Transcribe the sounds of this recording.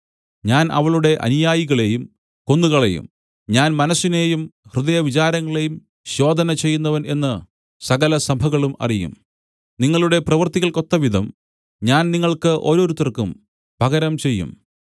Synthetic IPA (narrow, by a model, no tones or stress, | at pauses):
ɲaːnʔɐ̰ʋɐɭuɽe̞ʔɐ̰nijaːjiɣɐɭe̞jum | ko̞nːuɣɐɭe̞̰jṵm | ɲaːnmɐnɐsːine̞ːjumhrɨðɐjɐʋit͡ɕaːɾɐŋːɐɭe̞jum | ɕo̞ːd̪ʱɐnɐt͡ɕe̞jːunːɐʋɐne̞nːɨ | sɐɣɐlɐsɐbʱɐɣɐɭumɐ̰rijṵm | niŋːɐɭuɽe̞prɐʋɐrt̪iɣɐɭko̞t̪ːɐʋid̪ʱɐm | ɲaːnniŋːɐɭkɨʔo̞ːɾo̞ːɾut̪ːɐrkum | bʱɐɣɐɾɐmt͡ɕe̞jːṵm